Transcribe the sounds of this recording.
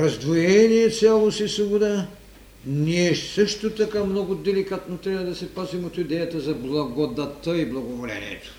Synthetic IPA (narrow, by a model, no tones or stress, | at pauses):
ɾɐzd̪vojɛniɛt̪sʲjalˠosisvobod̪a | niɛsɤʃt̪ot̪ɐkamnɔɡʊd̪ɛlikat̪not̪ɾʲavɐd̪ɐsɛpazimot̪id̪ɛjɐt̪ɐzɐblˠɐɡod̪ɐt̪əiblˠɐɡovolʲɛ̰nḭɛ̰t̪o̥